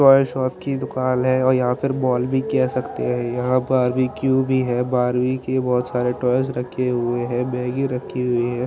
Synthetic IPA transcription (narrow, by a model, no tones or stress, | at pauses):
ʈɔːjʃɔːpkid̪ʊkaːlɦɛ̃ɔːɾjɐɦãpʰɪɾbɔːlbʱikɛɦsɐkt̪ḛɦɛ̃jɐɦãbaːɾwikjubʱiɦɛbaːɾwikebɔːt̪saːɾeʈɔːjsɾɐkʰːeɦʊeɦɛ̃bɛːɡiɾɐkʰːiɦʊiɦɛ̃ː